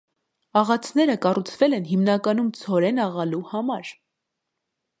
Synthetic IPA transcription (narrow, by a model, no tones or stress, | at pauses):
ɑʁɑt͡sʰnɛɾəkɑrut͡sʰvɛlɛnɦimnɑkɑnumt͡sʰɔɾɛnɑʁɑluhɑmɑɾ